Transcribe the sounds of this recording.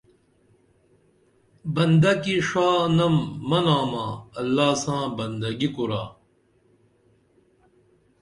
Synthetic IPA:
bɐnd̪ɐkiʂaːnɐmːɐnaːmãːɐlːaːsãːbɐnd̪ɐɡikuɾa̰ː

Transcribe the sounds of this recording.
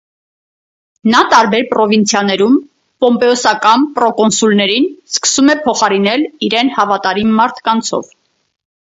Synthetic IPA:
nɑt̪ɑɾbɛɾpɾɔvint͡sʰjɑnɛɾum | pɔmpɛɔsɑkɑnpɾɔkɔnsulnɛɾinskə̥sumɛpʰɔχɑɾinɛliɾɛnhɑvɑt̪ɑɾimɑɾt̪ʰkɑnt͡sʰɔ̰v

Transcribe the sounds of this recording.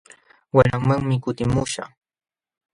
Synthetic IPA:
waɾaŋmaŋmɪkʊt̪ɪmʊʃa̰χ

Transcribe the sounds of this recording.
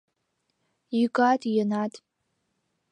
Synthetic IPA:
ikʼatʼjanatʼ

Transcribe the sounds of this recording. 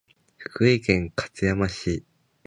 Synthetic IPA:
ɸɯ̟̥kɯ̟ikẽ̞ŋkʰḁt͡sɨjamaɕi

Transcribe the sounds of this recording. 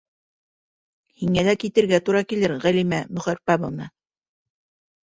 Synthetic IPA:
hiŋælækit̪ɘ̆ɾɡæt̪uɾɑkilɘɾʁælimæmɵ̆χæɾpɑβɤ̆nɑ

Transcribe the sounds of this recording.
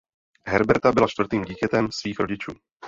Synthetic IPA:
ɦɛɾbɛɾt̪abɪlat͡ʃt̪vɾt̪iːmɟiːcɛt̪ɛmsviːxɾo̞ɟɪt͡ʃuː

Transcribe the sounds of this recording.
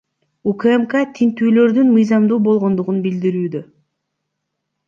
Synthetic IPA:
ukemkat̪ʰint̪yːlø̞ɾd̪ynmɯjzɑmd̪uːbo̞lˠʁo̞nd̪uʁunbild̪iɾyːd̪ø

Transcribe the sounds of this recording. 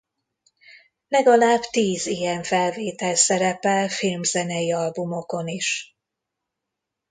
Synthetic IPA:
lɛɡɒlaːbt̪iːzijɛɱfɛlveːt̪ɛlsɛɾɛpɛlfilmzɛnɛjiɒlbumo̞ko̞niʃ

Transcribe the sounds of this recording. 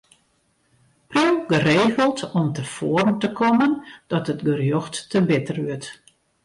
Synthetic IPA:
priwɡəreːɣəlˠtɔmtəfɔːərmtəkʰɔmənd̥ɔtətɡərjɔxtːəbɪtərʋʏət

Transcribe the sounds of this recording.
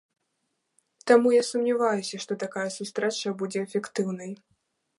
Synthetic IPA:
t̪amujasumnʲivajusʲɐʂt̪ɔt̪akajɐsust̪ɾɛt͡ʂɐbud͡zʲɛɛfʲɛkt̪ɨwnɐj

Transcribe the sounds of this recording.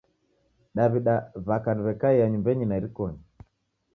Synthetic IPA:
ɗaβiɗaβakaniβɛkaiaɲumbɛɲinaiɾikɔɲi

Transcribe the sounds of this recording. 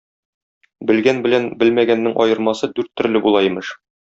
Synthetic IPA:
bɘ̆lɡænbɘ̆lænbɘlmæɡænːɘŋʔɒ̰jɤ̆ɾmɑsɤd̪ʉɾt̪ʰːɵ̆ɾlɘbulˠɑjimɘʃ

